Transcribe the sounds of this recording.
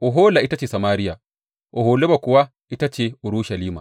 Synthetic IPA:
ʔɔ˨ɦoː˦la˨ʔi˦ta˦t͡ʃeː˨sa˨maː˦ɾɪ˦ja˨ | ʔɔ˨ɦoː˨le˦ba˨kʊ˨wa˦ | ʔi˦ta˦t͡ʃe˨ʔʊ˨ɾu˦ʃa˨liː˦ma̰˨

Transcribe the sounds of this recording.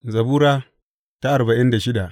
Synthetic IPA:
zɐ˨buː˦ɾaː˦ | ta˦ʔa˨ɾba˨ʔɪ˦nda˨ʃɪ˦da˨ʔ

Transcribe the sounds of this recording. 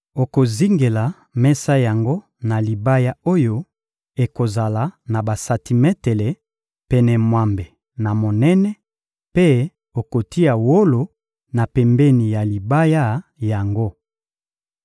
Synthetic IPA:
o˨ko˨zi˦ŋɡe˨la˨ | mɛ˦sa˦ja˨ŋɡo˦ | na˨li˨ba˦ja˦o˦jo˦ | e˨ko˨za˨la˨na˨ba˨sa˨ti˨mɛ˦te˨le˨ | pɛ˨nɛ˨mwa˨mbe˨ | na˨mo˨nɛ˦nɛ˦ | pe˦ | o˨ko˨ti˦ja˨wo˦lo˨ | na˨pɛ˨mbɛ˦ni˨ja˨li˨ba˦ja˦ja˨ŋɡo˦

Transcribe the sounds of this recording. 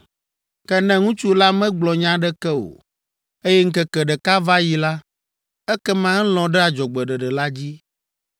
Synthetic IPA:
kɛ˦nɛ̃˦ŋũ˦t͡ʃu˦la˦mɛ̃˦ɡ͡blɔ˨ɲã˦ɖɛ˦kɛ˦o̰˨ | e˦jɛ˦ŋ̩˦kɛ˦kɛ˨ɖɛ˨ka˦va˦ji˨la˦ | ɛ˦kɛ˦mã˦ŋ̩˦lɔ̃˨ɖɛ˦a˨d͡ʒɔ˨ɡ͡bɛ˨ɖɛ˨ɖɛ˨la˦d͡ʑi˦

